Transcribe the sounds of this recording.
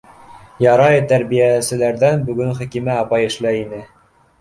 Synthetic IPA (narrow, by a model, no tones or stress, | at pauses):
jɑɾɑjɤt̪æɾβijæsɘ̆læɾðænbɵ̆ɡɵŋχæ̆kimæɑpɑjɘ̆ʃlæjinɘ